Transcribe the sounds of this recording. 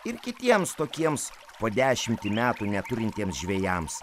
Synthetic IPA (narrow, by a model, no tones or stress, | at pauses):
ɪɾkʲɪt̪ʲiɛmst̪oːkʲiɛms | poːd̪ʲæːʃʲɪmʲt̪ʲɪmʲæːt̪unʲɛt̪ʊɾʲɪnʲt̪ʲiɛmsʒʲʋʲɛjɛms